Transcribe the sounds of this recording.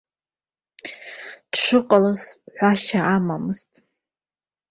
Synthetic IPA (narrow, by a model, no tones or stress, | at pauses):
dʂʷɨqʼalazħʷaʃaʔamamɨztʼ